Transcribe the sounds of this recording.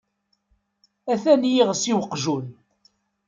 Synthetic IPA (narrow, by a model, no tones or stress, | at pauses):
æθænjiʁsiwəqːʒun